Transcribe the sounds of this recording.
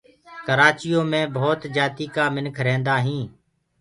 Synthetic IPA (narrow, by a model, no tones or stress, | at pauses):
kəɾaːt͡ʃɪjõːmẽːbʱoːt̪d͡ʒaːt̪iːkaːmɪnkʰɾẽːnd̪aːɦĩː